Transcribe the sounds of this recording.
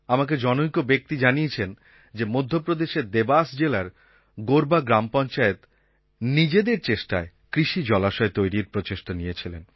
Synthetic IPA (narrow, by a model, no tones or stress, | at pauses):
amak̬ed͡ʑɔnoikobek̚t̪id͡ʑaniet͡ɕʰen | d͡ʑemod̪ʱːopɾod̪eʃeɾd̪ebasd͡ʑelaɾ | ɡoɾbaɡɾampɔnt͡ɕaet̪ | nid͡ʑed̪eɾt͡ɕeʃʈae | kɾiʃid͡ʑɔlaʃɔet̪ojɾiɾpɾot͡ɕeʃʈoniet͡ɕʰilen